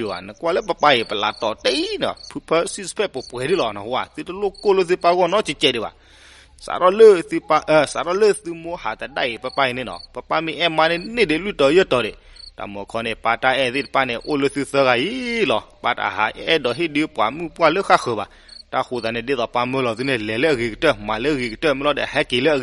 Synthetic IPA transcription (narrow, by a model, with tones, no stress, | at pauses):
i˨a̰˨nə˨kwa˦˧lə˦p̬ə˨pa˧je˨pə˨la̰˨tɔ˨te˦i˦nɔ̰˨pʰu˨pʰə˦si˦spʰɛ˦˨po˨pɛ˨di˦lɔ˨nɔ˨ho˧˨a̰˨θɨ˧˨tə˨lo˦ko˦lə˦θɨ˧pa˧ɣɔ˦˨nɔ˦t͡ʃi˨t͡ʃɛ˦˨de˨ba̰˨ | sa̰˨ɾɔ˦lə˦˨θɨ˧pa˧ʔə˨sa˨ɾɔ˦˨lə˦˨θu˧mo˧˦ha˨t̪a˨da̰˦˨je˨pə˧pa˧˨ji˨ne˨nɔ̰˨pə˨pa˧mĩ˧˨ʔɛ˦ma˧ne˧˨˦ne˦˨de˨lwi˦˨tɔ˨˦jə˦˨tɔ˨de˨ | ta̰˨m˨ɔ˨kʰɔ˧nɛ˧pa˧ta˧ɛ˧˨ði˦˨dpa˧ne˧ʔo˦˧lo˧θɨ˧θə˧ɣa˨ji˦lɔ˨pa˧ta̰˨ɦa̰˨˦ɛ˦dɔ˨ɦi˦di˧˦pu˨a̰˨mu˦pu˦a˧lə˦xa˦xə˨ba̰˨ | ta˧xu˨ða˨nɛ˧de˧˦ðɔ˨pa˧mə˧lɔ˨ði˧˦ne˧˨lɛ˨le˦ə˨ɣi˨ki˨tə˦˨ma˨le˦˧ɣi˨ki˨tə˦˨mi˧˦lɔ˧˦dɛ̰˨hɛ˧˦ke˨le˦ə˧˨ɣ